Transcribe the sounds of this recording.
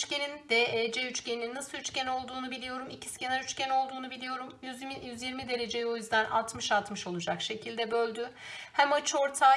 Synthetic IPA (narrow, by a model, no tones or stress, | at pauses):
t͡ʃcenind̪ɛːɛːd͡ʒeyt͡ʃcenininːasɯlˠyt͡ʃcæno̞lˠd̪uːnubilʲijo̞ɾumicʰi̥scenaɾyt͡ʃcʰæno̞lˠd̪uːnubilʲijo̞ɾumjyzmijyzjiɾmid̪e̞ɾe̞d͡ʒejo̞jyzd̪ænʔa̰t̪mɯʃat̪mɯʃo̞lˠud͡ʒakʃe̞cʰilʲd̪ɛbø̞lʲd̪y | hæmat͡ʃʰɯo̞ɾt̪ʰaː